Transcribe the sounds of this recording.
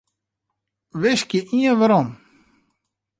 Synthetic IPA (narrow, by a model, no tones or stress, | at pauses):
ʋɪskjəʔiənʋaɾɔm